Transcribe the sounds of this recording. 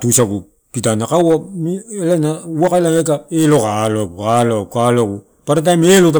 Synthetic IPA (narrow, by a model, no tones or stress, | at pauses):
tusaɡu | pitanakawamielanauakaelaekaelokaloɡualokaloɡu | paɾat̬ajmelot̬a